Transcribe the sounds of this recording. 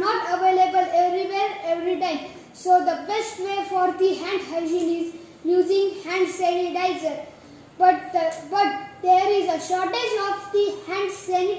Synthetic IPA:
nɔːʈəʋeːlebəleʋɾiʋeːɾeʋɾiɖãɪm | soːd̪əbesʈʋeːfɔːɾd̪iɦæ̃ɳʈhaɪd͡ʒĩniz | juːzĩŋɡhæ̃ɳɖseniʈaɪzəɾ | bʌʈ̚d̪əbʌʈ̚d̪̥eɾizəʃɔːʈed͡ʒɔːfd̪ihæ̃ɳɖseni

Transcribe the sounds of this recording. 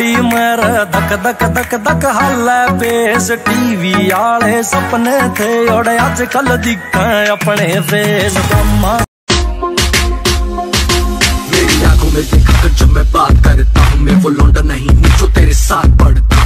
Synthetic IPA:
iːmeɾd̪ɐkd̪ɐkd̪ɐkd̪ɐkɦaːlɛːbeːsʈiːʋiːaːɭeːsɐpnet̪ʰeoːɽead͡ʒkɐld̪ikʰːəɐpɳeːɾeːzkɐmãː | ʋeːɾiaːɡomed̪eːkʰaːkɐɾt͡ʃoːmɛ̃ːbaːt̪kɐɾet̪aɦʊ̃mẽʋoːlõːɳɖ̪anɐɦĩnĩd͡ʒoːt̪eːɾesaːt̪̚ʰpɐɽt̪aː

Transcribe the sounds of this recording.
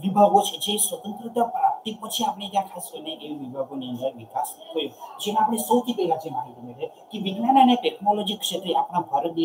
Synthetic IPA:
ʋibʱaɡot͡ʃʰet͡ʃʰeswət̪ənt̪ɾit̪apɾap̚t̪ipət͡ʃʰiapnekjãkʰaskəɾneʔeiʋibʱaɡoniə̃nd̪əɾʋikasɦojud͡ʒeneapnesəwk̪it̪elad͡ʒemaɦit̪imeʈe | kiʋiɡnananeʈeknɔlɔd͡ʒikʃʰet̪ɾiapɽ̃abʱɔɾəd̪i

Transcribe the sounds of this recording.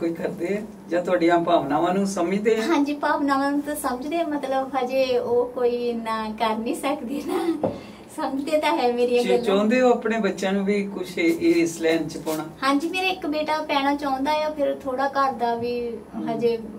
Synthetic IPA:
koːiːkʰəɾd̪eː | d͡ʒãːt̪ʊaːɖijãːpaːʋnaːʋãːnũːsəmiːd̪eːɦãːɲd͡ʒiːpaːʋnaːʋãːnũːt̪ãsəməd͡ʒd̪eːmət̪ləbɦaːd͡ʒeːoːkoːiːʋiːnaːkəɾniːsəkd̪iːnaː | səməd͡ʒd̪eːt̪ãːɦɛlmeːɾieːd͡ʒt͡ʃãːnd̪eːoːəpɽeːbətːʃãːnũːʋiːkʊt͡ʃʰeeːɪslɛːnt͡ʃpɔːɽ̃aːhãːɲd͡ʒiːmeːɾaːɪkbeːʈaːpɛːɽ̃aːt͡ʃãːnd̪aːɛaːpʰɪɾt̪ʰoːɽaːkəɾd̪aːʋiːɦaːd͡ʒeː

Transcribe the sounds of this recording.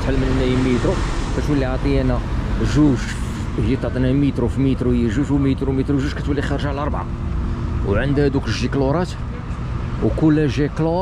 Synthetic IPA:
t̪ħəlːmənnːæjəmːit̪ɾukæt̪wəlːiʕt̪ˤijænæʒuʒ | həjːæt̪ːɑʕt̪ˤinæmit̪ɾufimit̪ɾuhəjːæʒuʒwmit̪ɾumit̪ɾuʒuʒkæt̪wælːixɑɾˤʒʕlʔɑɾˤbʕa̰ | wʕənd̪hæd̪ukəʒikloɾˤɑt̪ | wkulːæʒiklo

